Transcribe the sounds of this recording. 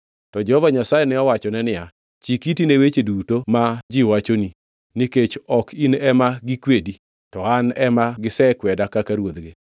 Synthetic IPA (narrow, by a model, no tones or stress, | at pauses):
tɔd͡ʒɛhɔvaɲasajɛnɪɔwat͡ʃɔnɛnɪja | t͡ʃikitinewet͡ʃedutomad͡ʒiwat͡ʃoni | niket͡ʃɔkʰinɛmaɡikwedi | tɔanɛmaɡɪsɛkwɛdakakaɾwod̪ɡe